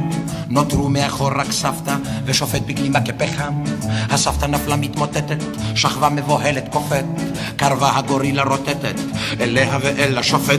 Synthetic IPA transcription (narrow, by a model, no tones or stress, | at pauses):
not̪ʁumeaχo̞ɾːaksaft̪aveʃofet̪̚biklimakepeχamhasaft̪anaflamit̪mot̪et̪et̪ʃaχvamevoɦelet̪kofet̪ | kaʁvahaɡoɾilaɾot̪et̪et̪ʔeleɦaveʔelaʃofe